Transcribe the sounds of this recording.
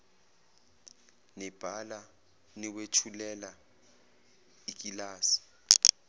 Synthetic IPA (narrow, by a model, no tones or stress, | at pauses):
nɛb̥ʱala | niwet͡ʃʰulɛla | ik̬ʼilaːsi̥